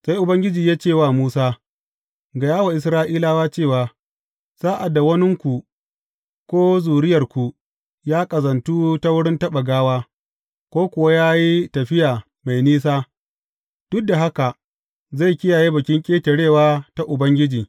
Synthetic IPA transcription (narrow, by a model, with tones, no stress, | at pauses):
sa˦jʔʊ˨bɐ˦ŋɡʲɪ˦d͡ʒiː˨jaː˦t͡ʃeː˦˨waː˦˨muː˦saː˦ | ɡa˨jaː˦wa˨ʔɪ˨˦sɾaː˦ʔiː˦laː˦waː˦t͡ʃeː˦˨waː˨ | z̥aː˦ʔa˨da˨wɐ˦nɪ˦ŋkʷu˨ | kʷoː˦zuː˨ɽɪ˦jɐ˨rkʷu˨ | jaː˦kʼɐ˨zɐ˨ntuː˦ta˦wʊ˦ɽɪ˦ntɐ˦ɓɐ˨ɡaː˦waː˦ | kʷoː˦kʷʊ˨wa˦jaː˦ji˦tɐ˨ɸɪ˦jaː˨ | ma˨jniː˦s̬aː˦ | d̥ʊ˦dːa˨ɦa˦ka˨ | za˦˨jkʲɪ˦jaː˨jeː˦bɐ˨kʲɪ˦ŋkʲʼeː˦te˨ɽeː˦˨waː˦ta˦ʔʊ˨bɐ˦ŋɡʲɪ˦d͡ʒiː˨